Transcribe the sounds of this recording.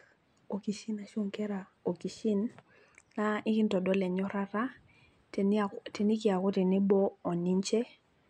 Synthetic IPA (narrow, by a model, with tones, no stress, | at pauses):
o˨ki˨ʃi˦na˨ʃo˦˨ŋkɛ˦ɾa˨ | o˨ki˨ʃi˦nː | a˦ɪ˦kɪ˦ntɔ˨dɔ˦lɛ˨ɲɔ˦ɾa˦ɾa˦ | te˨ni˦kɪ˨a˨ko˦tɛ˨ni˦bɔː˦˨ni˦ɲt͡ʃɛ˦